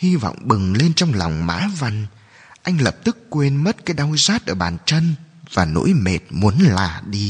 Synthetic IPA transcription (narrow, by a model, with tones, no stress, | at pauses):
hi˧vɔ̰˧˨wŋ͡mɓɨ˨˩ŋle˧nt͡ɕɔ˧wŋ͡mla˨˩wŋ͡mma̰ː˧˥va˧jŋ | ʔa˧jŋ̟lə˨˩p̚t̪ɨ˦˥kːwe˧nmə˦˥t̚kaː˨˦jɗa˧wzaː˦˥t̚ʔəː˧˩ɓaː˨˩nt͡ɕə˧n | vaː˨˩no̰˧˥jme˨˩t̚mu˨˦ənlaː˨˩ɗi˧